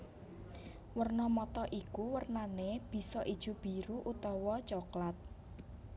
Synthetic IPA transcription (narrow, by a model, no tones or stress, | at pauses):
wərnɔmɔt̪ɔʔikuwərnaneb̥i̤sɔʔid̥ʒ̥ṳb̥i̤ɾuʔut̪ɔwɔt͡ʃɔklat̪̚